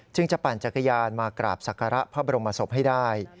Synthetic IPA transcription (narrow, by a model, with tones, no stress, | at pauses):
t͡ɕɯ˥˩ŋt͡ɕa˨˩paː˨˩nt͡ɕa˨˩kʰːa˧jaː˧nmaː˧kɾa̰ː˨˩p̚sa˨˩kʰːaː˧ɾa˦˥ʔpʰaː˦˥˩ba˧ɾo˧mpa˧so˨˩˦m̚ɦa˥˩jdaː˥˩j